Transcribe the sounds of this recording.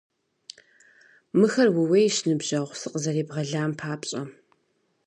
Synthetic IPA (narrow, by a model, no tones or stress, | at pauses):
mɨxɐrwʊwejʃnɨbʑɐʁʷsɨqəzɐɾeːbʁɐɮaːmpʰaːpʼɕʼɐ